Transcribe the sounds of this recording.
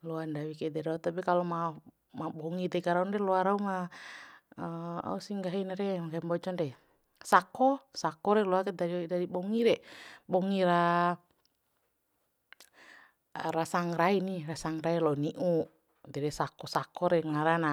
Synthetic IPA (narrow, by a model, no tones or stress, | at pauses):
lɔandawikɛdɛɾaut̪apikalɔma | mabɔŋidɛkaɾaundɛlɔaɾauma | a̰usiŋɡaɦinaɾɛmakaimbɔt͡ʃɔndɛ | sakɔsakɔɾɛlɔakɛdaidaɾibɔŋiɾɛbɔŋiɾa | ɾasaŋrainirasaŋrailɔniʔu | dɛɾɛsakɔsakɔɾɛŋaɾana